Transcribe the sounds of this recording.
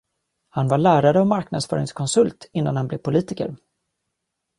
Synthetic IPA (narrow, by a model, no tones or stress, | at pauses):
hanvaɭæːɾaɾəɔmaɾknad̪sfœ̰ːɾɪŋskʰɔnsɵlt̪ɪnːa̰nhanblɛvpʰʊliːt̪ɪkə̰ɾ